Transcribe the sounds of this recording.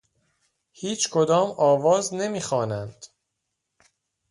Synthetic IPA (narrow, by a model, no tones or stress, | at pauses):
hiːt͡ʃʰkʰod̪ɒːmɒːvɒːzne̞miːxɒːnænd̪̥